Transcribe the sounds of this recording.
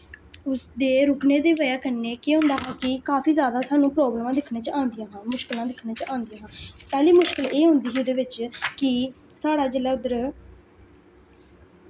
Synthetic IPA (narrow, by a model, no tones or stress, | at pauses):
ʊsd̪eːɾʊkneːd̪eːʋəjaːkənːeːkeːɦʊ̃nd̪aːɦãːkɪkaːpʰiːzjaːd̪aːsaːnũːpɾɔːbləmãːd̪ɪkʰneːt͡ʃãːnd̪ɪjãːɦãːmʊʃkəlãːd̪ɪkʰneːt͡ʃãːnd̪ɪjãːɦãːpɛːliːmʊʃkəleːɦʊ̃nd̪iːɦʊd̪eːʋɪt͡ʃkɪ | saːɽaːd͡ʒelaːʊd̪əɾ